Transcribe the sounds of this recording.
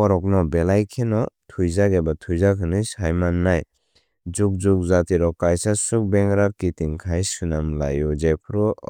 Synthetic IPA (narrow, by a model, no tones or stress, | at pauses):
ɔɾɔk̚nɔbelajkʰenɔtʰujzaɡebatʰujzakʰɯnɯshajmanːaj | zuk̚zuk̚zatiɾɔkajsasuk̚bɛŋɾaɾkitiŋkʰajsɯnamlajɔd͡ʒepʰɾɔ